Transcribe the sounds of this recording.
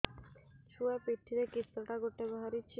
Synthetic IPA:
ʃʰuapɾiʈ̪ʰːiɾekɾit̪ːɾoʈaɡoʈːebaɦaɾit͡ɕʰi

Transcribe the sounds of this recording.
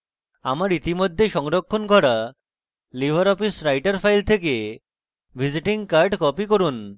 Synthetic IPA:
amaɾit̪imod̪ʱːeʃɔŋɾokʰːonɡʱɔɽa | libʱaɾɔpisɾajʈaɾfʰajlt̪ʰeke | bʱid͡ʑiʈiŋkaɾɖkɔpikoɾun

